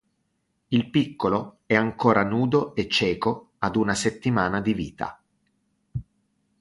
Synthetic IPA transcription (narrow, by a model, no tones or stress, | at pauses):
ilpikːolo | ɛaŋkoːɾanuːd̪oet͡ʃːɛːko | ad̪unaset̪ːimaːnad̪ivḭːt̪a̰